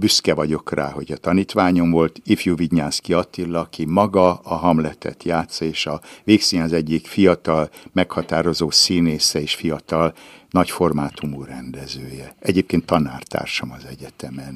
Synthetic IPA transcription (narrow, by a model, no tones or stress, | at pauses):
byskɛvɒɟo̞kra̰ːɦo̞ɟɒt̪ɒniːt̪ʋaːɲo̞mvo̞lt̪ifjuviɟɲaːskiɒt̪ilːɒːkimɒɡɒɒɦɒmlɛt̪ʰɛ̰t̪jaːt̪sːɒeːʃɒveːkseːɲɒzɛɟːikfijɒt̪ɒlmɛkhɒt̪aːɾo̞zoːsiːneːsɛeːʃfijɒt̪ɒlnɒcfo̞rmaːt̪ʰumurɛnd̪ɛzøːjɛʔɛɟeːp̚keːnt̪ːɒna̰ːrt̪a̰ːrʃɒmɒzɛɟɛt̪ɛmɛn